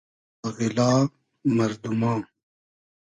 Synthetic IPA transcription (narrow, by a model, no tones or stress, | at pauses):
ɐɣilaː | mɐɾd̪umãː